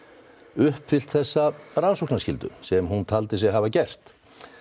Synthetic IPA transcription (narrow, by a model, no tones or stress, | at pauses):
ʏhpfɪl̥t̪θɛsːaɾansowknascɪlt̪ʏ̰sɛmhunt̪ʰalt̪ɪsjɛɣɦavacɛr̥t̪